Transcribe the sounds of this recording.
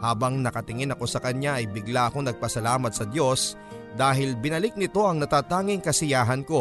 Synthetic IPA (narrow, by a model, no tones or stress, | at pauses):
haːbɐŋnɐkɐt̪ɪŋɪnɐko̞sɐkɐɲaʔɐjbɪɡlaʔɐkonɐɡ̚pɐsɐlaːmɐt̪̚sɐd̪jo̞s | d̪aːɦɪlbɪnɐlɪk̚nɪt̪o̞ʔɐŋnɐt̪aːt̪aːŋɪŋkɐsɪjaːɦɐnko̞